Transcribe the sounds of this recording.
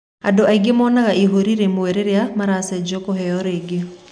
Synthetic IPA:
a̰doʔaiɡemɔːnaɣaʔiɦoɾiɾemoeɾeɾeamaɾasɛd͡ʒokoɦɛɔɾeːɡe

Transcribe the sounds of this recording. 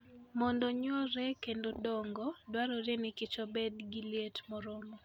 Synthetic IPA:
mɔndoɲoɾɛkendodɔŋɡɔdwaɾɔɾjenɪkɪt͡ʃɔbedɡiljetmɔɾɔmɔ

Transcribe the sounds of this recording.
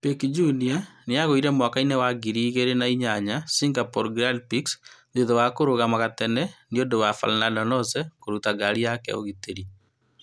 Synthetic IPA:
pekid͡ʒunianeaɣoiɾɛmwakainewaɡiɾiːɣeɾenaiɲaɲasiŋɡapɔɾɡɾalpiksðeðowakoɾoɣamaɣatɛnɛniodowafa̰lnandɔnɔsɛkoɾutaɡaɾiakɛ̰o̰ɣiteɾi

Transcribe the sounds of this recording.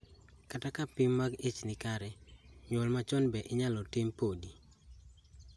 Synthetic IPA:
katakapɪmːaɡet͡ʃnɪkaɾɛɲolmat͡ʃɔnbɛʔɪɲalɔtɪmpodi

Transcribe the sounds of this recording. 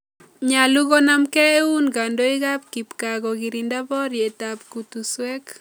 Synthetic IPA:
ɲaluɣonamkɛeunɡandoiɣap̚kipkaɣɔɣiɾindabɔɾjetap̚kutuswɛk

